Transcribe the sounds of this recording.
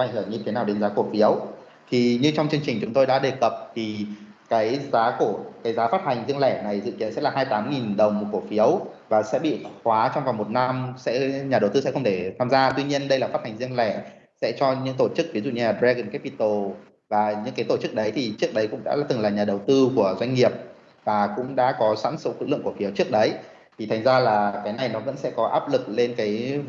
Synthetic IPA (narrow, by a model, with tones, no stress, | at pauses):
a̰˧˨ʔəː˧˩ɲɨ˧t̪ʰe˨˦naː˨˩wɗe˨˦nzaː˨˦ku˧˩əfi˨˦əw | t̪ʰi˨˩ɲɨ˧t͡ɕɔ˧wŋ͡mt͡ɕɨ˧əŋt͡ɕï˨˩ŋ̟t͡ɕʊ˨˦ŋ͡mt̪o˧jɗa̰ː˧˥ɗe˨˩kə˨˩p̚vi˨˩ | kaː˨˦jzaː˨˦ku˧˩əkaː˨˦jzaː˨˦faː˦˥t̚ha˨˩jŋ̟zi˧əŋlɛ˧˩na˨˩jzɨ̰˧˨ki˨˦ənsɛ̰˧˥laː˨˩ɦaː˧jt̪aː˨˦mŋi˨˩nɗə˨˩wŋ͡mku˧˩əfi˨˦əwvaː˨˩sɛ̰˧˥ɓḭ˧˨xwaː˨˦t͡ɕɔ˧wŋ͡mva˨˩ŋ͡mmo˨˩t̚na˧msɛ̰˧˥ɲaː˨˩ɗə˨˩wt̪ɨ˧sɛ̰˧˥xə˧wŋ͡mt̪ʰe˧˩t̪ʰaː˧mzaː˧t̪wi˧ɲi˧ənɗə˧jla˨˩faː˦˥t̚ha˨˩ŋ̟zi˧əŋlɛ˧˩ | sɛ̰˧˥t͡ɕɔ˧ɲɨ̰˧˥ŋt̪o˧˩t͡ɕɨ˦˥k̚vi˨˦zṵ˧˨ɲɨ˦laː˨˩bɾɛ˧ɣə˧˩nkɛ˦˥pi˧t̪o˧˩ | vaː˨˩ɲɨ̰˧˥ŋkaː˨˦jt̪o˧˩t͡ɕɨ˦˥k̚ɗə˨˦jt̪ʰi˨˩t͡ɕɨ˦˥ək̚ɗə˨˦jkʊ̰˧˥ŋ͡mɗa̰ː˧˥˨t̪ɨ˨˩ŋlaː˨˩ɲaː˨˩ɗə˨˩wt̪ɨ˧ku˧˩əzwa˧ŋŋi˨˩əp̚ | vaː˨˩kʊ̰˧˥ŋ͡mɗa̰ː˧˥kɔ˨˦sa̰ː˧˥nsə̰˧˥kɨ̰˧˥lɨ̰˧˨əŋku˧˩əfi˨˦wt͡ɕɨ˦˥ək̚ɗə˨˦j | t̪ʰi˨˩t̪ʰa˨˩jŋ̟zaː˧laː˨˩kaː˨˦jna˨˩jnɔ˨˦və̰˧˥nsɛ̰˧˥kɔ˨˦ʔaː˦˥p̚lɨ˨˩k̚le˧nkaː˨˦j